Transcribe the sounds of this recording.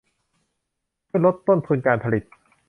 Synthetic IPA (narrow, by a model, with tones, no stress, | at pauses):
dʰu˥˩jlo˦˥t̪ːo˥˩nt̪ʰu˧nkaː˧npʰa˧li˨˩t̪̚